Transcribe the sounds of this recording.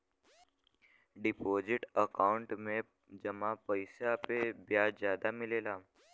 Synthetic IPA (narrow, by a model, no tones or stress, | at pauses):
ɖɪpozɪʈəkaʊɳʈmẽ | d͡ʒəmãpəjsapebjazjad̪amɪlela